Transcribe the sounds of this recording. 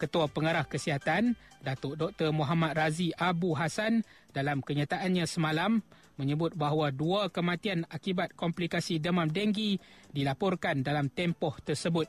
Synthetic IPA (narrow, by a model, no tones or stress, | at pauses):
kət̪uapəŋaɾahkəsiɦat̪andat̪oʔdɔk̚t̪ərmɔɦamat̪̚raziʔabuɦasan | dalamkəɲat̪aʔanɲãsəmãlamː | ə̃ɲəbʊt̪̚baɦwaduakəmat̪ianakibat̪̚kɔmplikasidəmamdɛŋɡidilapɔrkandalamt̪ɛmpɔht̪ərsəbʊt̪̚